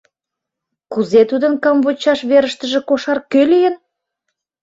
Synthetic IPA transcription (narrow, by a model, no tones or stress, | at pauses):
kuzet̪ud̪ə̆nkɑmvot͡ɕɑʃβeɾəʃt̪əʒĕkoʃɑrkølijə̆n